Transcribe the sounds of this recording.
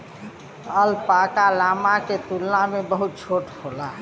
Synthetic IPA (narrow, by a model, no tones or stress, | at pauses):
əlpakalamaket̪ulnamebəɦut̪̚t͡ʃʰoːʈholaɦ